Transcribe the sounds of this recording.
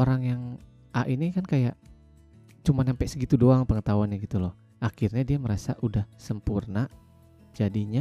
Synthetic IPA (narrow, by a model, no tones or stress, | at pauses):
oɾaŋjaŋ | aʔinikankajaʔ | t͡ʃumanampɛʔsəɡit̪udoaŋpəŋət̪auanjaɡit̪ulɔh | akirɲadiaməɾasaʔudahsəmpurna | d͡ʒadiɲa